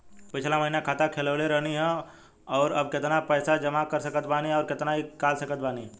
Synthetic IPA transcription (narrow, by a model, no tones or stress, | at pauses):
pɪt͡ʃʰlamɐɦinakʰaːt̪akʰeləːleɾəɦniɦɛ | ɔːɾɐb̚kɪt̪napɛːsad͡ʒɐmakəɾsɐkət̪baːniɦɛɔːɾkɪt̪naɦikaːlsəkət̪̚baːniɦɛː